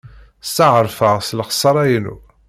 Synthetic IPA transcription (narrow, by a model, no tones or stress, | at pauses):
saʕəɾˤfəʁslχə̥sˤːɑɾˤæjənṵ